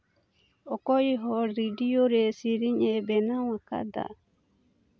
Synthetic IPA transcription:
ɔkɔiɦɔɾidioɾesiɾiɲɛbɛnawaka̰d̪a̰

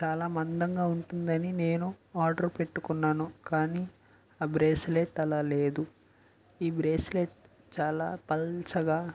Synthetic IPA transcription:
t͡ʃaːlaːmɐnd̪ɐŋɡaːuɳʈund̪ɐnine̞ːnuaːɾɖɐɾpe̞ʈːukunːaːnukaːniː | aːbɾeːsleʈːɐlaːle̞ːd̪u | iːbɾeːsleʈ | t͡ʃaːla̰ːpɐlt͡ʃɐɡaː

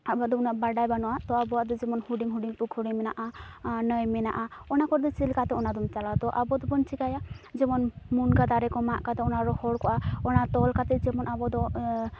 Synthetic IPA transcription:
abad̪ɔunaʔbaɖajbanɔwat̪ɔabɔwaʔd̪ɔd͡ʒɛmɔnhuɖiŋɦuɖiŋpukʰɔɽimɛnaʔanəjmɛna̰ʔaɔnakɔɾd̪ɔt͡ʃilkat̪ɛɔnad̪ɔmt͡ʃalat̪ɔʔabɔd̪ɔbɔnt͡ʃikajad͡ʒɛmɔnmunɡad̪aɾɛkɔmaʔkat̪ɛɔnaɾɔhɔɽkɔʔaɔnat̪ɔlkat̪ɛd͡ʒɛmɔnʔabɔd̪ɔ

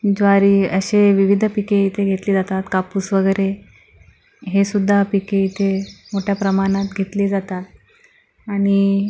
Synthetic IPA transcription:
d͡zʋaɾiːəɕeʋiʋid̪ʱəpikeit̪ʰeɡʱet̪liːd͡zat̪at̪kapuːsʋəɡəɾe | ɦesud̪ʱːapikeit̪ʰemoʈʰjapɾəmaɽ̃ãt̪ɡʱet̪liːd͡zat̪at̪̚ | aɽ̃i

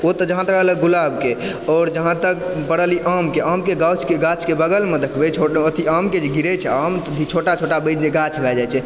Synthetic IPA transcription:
ot̪əd͡ʒəɦãt̪əkəɦləɡulabke | ɔːɾd͡ʒəɦãt̪əkpəɽəliʔamkeʔamkeɡawt͡ʃʰkeɡat͡ʃʰkebəɡəlmed̪ekʰbɛt͡ʃʰoət̪ʰiamked͡ʒeɡiɾɛt͡ʃʰɛamt̪əd̪ʱit͡ʃʰoʈat͡ʃʰoʈabəd͡ʒeɡat͡ʃʰbʱɛd͡ʒajt͡ʃʰɛ

